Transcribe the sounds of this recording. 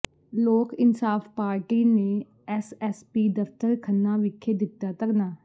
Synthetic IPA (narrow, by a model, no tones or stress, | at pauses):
loːkɪnsaːfpaːɾʈiːnẽ | ɛsɛspiːd̪əft̪əɾkʰənːaʋɪkʰːed̪ɪt̪ːat̪ɐknaː